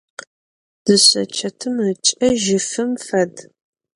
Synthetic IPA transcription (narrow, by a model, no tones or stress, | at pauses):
d̥ɨɕʼɐ̰t͡ʃʰɐtʰɨmət͡ʃʼɐʒɪfɨmfɐd